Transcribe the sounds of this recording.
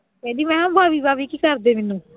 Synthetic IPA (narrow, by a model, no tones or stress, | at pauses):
ed̪imɛɦambʱabibaβikikaɾd̪eminːu